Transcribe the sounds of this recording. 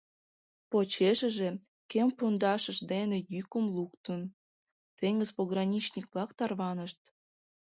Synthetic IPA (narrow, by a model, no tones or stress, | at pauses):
pot͡ɕeʃəʒe | kempond̪ɑʃəʃd̪enejykəmluk̚t̪ən | t̪eŋɡəzpoɣrɑnʲit͡ɕnʲikβlɑkt̪ɑrβɑnəʃt̪̚